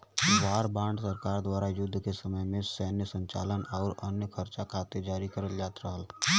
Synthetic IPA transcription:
waːɾbãːɳɖsəɾkaːɾd̪waːɾajʊd̪ʱːkesəməjmẽsɛːnjəsə̃ɲt͡ʃa̰ːlənɔːɾənjəkʰəɾt͡ʃakʰaːt̪ed͡ʒaːɾikəɾəld͡ʒaːt̪ɾəɦəl

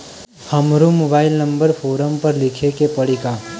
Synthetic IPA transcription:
həmɾumobaːɪlnə̃mbəɾpʰoːɾəmpəɾlɪkʰekepəɽika

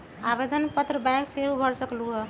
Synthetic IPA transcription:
abed̪ʱənpət̪ɾəbɛ̃kseɦubʱəɽsəkluɦɛ

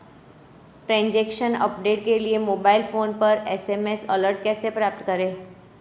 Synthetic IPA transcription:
ʈɾãːɲd͡ʒeːkʃənɐ̰pɖeːʈkeliemoːbaːɪlfoːnpɐɾɛsemesɐləɾʈkɛːsepɾaːp̚t̪kɐɾẽː

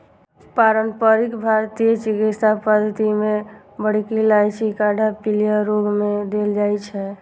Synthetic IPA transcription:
paɾənpəɾikbʱaɾt̪iet͡ʃikit͡ʃt̪apəd̪ʱət̪imẽ | bəɽ̤kilajt͡ʃʰikaɖʱapilijəɾoɡmẽd̪eld͡ʒajt͡ʃʰɛ

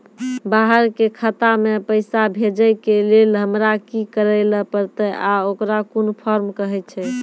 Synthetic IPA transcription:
baɦəɾkekʰət̪amepəɪsabʱed͡ʒəjkelelɦəmɾakikəɾəɪləpəɾt̪əʔaokɾakonpʰɔɾmkəɦɛt̪t͡ʃʰɛ

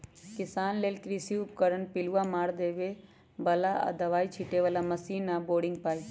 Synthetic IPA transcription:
kɪsaːnleːlkɾisiʊp̚kəɾəɳpɪluamaːɾd̪eːʋe | bɐlaa̰d̪ɐʋaːit͡ʃʰɪʈeʋəlamɐsiːnaboːɽɪ̃ŋɡ̚paːi

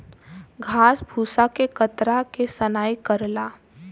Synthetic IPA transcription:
ɡʱaːsbʱuːsakekət̪ɾakesənaːikəɾlaː

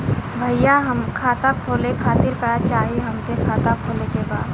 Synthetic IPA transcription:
bʱɐjjaɦɐmkʰaːt̪akʰoːlekʰaːt̪ɪɾkɐɾat͡ʃaːɦiɦɐmpekʰaːt̪akʰoːlekebaːd̪

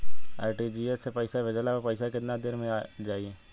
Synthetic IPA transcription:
a̰ːɪʈid͡ʒiːesːepɐɪsabed͡ʒəlaopɐɪsakɪt̪nad̪ɪɾmẽad͡ʒaːie

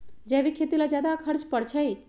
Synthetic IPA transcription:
d͡ʒɛʋikʰet̪ilad͡ʒjad̪akʰəɾt͡ʃpəɽt͡ʃʰəj

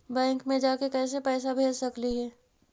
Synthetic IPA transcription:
bɛ̃ːŋkmẽd͡ʒaːkekɛːs̬epɛːsabʱeːlsɐkliɦɛː

